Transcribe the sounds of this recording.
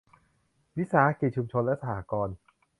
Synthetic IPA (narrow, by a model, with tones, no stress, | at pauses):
wi˦˥saː˩˦ʔa˦˥ki˨˩t͡ɕʰu˧mt͡ɕʰo˧nlɛ˦˥ʔsa˧haː˩˦kɔː˧n